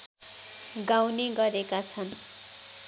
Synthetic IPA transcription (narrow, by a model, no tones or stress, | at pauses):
ɡaw̃neɡʌɾekat͡sʰʌn